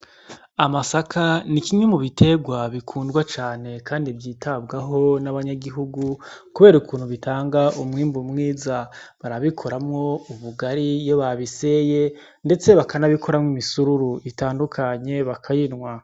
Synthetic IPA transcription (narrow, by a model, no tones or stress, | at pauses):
amasakʰanikimɲemuβitʰe̞ɡwaβikʰuːndɡwat͡ʃaːne̞kaːndibjiːtʰabɡaɦo̞naβaɲaɡiɦuɡukuβe̞ɾukuːn̥huβitʰaːŋɡaʔumŋiːmbumŋiːzaβaɾaβikʰo̞ɾamŋo̞uβuɡaɾijo̞βaβise̞je̞ | nde̞t͡se̞βakanaβikʰo̞ɾamŋimisuɾuɾuʔitaːndukʰaɲe̞βakʰajinŋwa